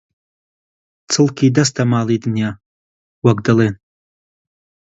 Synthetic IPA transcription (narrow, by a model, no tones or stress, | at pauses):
t͡sʰɨlkʲʰid̪ast̪ʰamaːlid̪ɨnja | waɡd̪alen